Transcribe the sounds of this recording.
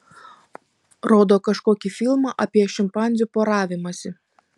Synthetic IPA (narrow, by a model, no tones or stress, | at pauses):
ɾoːd̪oːkɐʃkoːkʲifʲɪlˠmɑʔɐpʲiɛʃʲɪmpɑˑnʲzʲupoːɾɑːʋʲɪmɐsʲɪ